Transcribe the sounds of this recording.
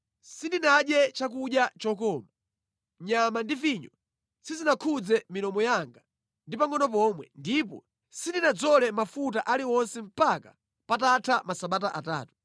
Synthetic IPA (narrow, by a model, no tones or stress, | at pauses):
sindinaɗjɛt͡ʃak̬uɗjat͡ʃɔkɔːma | ɲamandifiɲɔ | sizinakʰud͡zɛmilɔmɔjaŋɡa | ndipaŋɔnɔp̬ɔmwɛ̰ndipɔ̰ | sindinad͡zɔlɛmafutaʔaliwɔnsɛm̩paka | patatʰamasaɓataʔa̰ta̰ːtu̥